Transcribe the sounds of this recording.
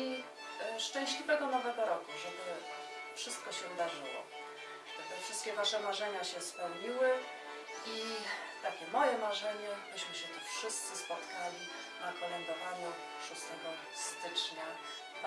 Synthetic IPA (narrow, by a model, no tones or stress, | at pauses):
i | ʂt͡ʂɛ̃w̃ɕlʲivɛɡɔnɔvɛɡɔɾɔkuʐɛbɘ | fʂɘst̪̚kɔɕɛvd̪aʐɘwɔ̰̥ | ɛt̪ɛfʂɨst̪kʲɛvaʂɛmaʐɛɲaɕɛspɛwɲiwɘ | i | t̪akʲɛmɔjɛmaʐɛɲɛbɘɕmɘɕɛt̪ufʂɘst̪sɘspɔt̪kʰalʲi | nakɔmɛnd̪ɔvanɔ | ʂust̪ɛɡɔ | st̪ɘt͡ʂɲa